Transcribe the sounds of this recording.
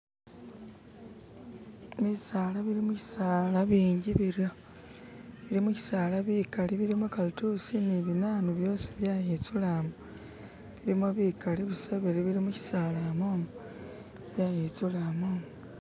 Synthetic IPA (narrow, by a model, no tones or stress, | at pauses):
misaːlaβiɾimuci̥saːlaβiːɲɟiβiɾjo | βiɾimuci̥saːlaβiːkaliβiɾimokalutusiniβinaːnuβjo̞ːsi̥βjaːjit͡sulamo | βiɾimoβikaliβisaβiɾiβiɾimuci̥saːlaːmoːmo | βjajit͡sulaːmoːmo